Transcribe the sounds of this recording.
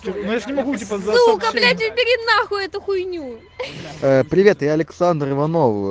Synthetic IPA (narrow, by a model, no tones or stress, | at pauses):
onojaʐnʲɪmɐɡutʲpɐzukɐlʲatʲɪpʲɪɾʲɪnaxʊɛt̪ʊxʊjnʲu | əpɾʲɪvʲe̞t̪jaɐlʲɪksand̪rɨvɐnof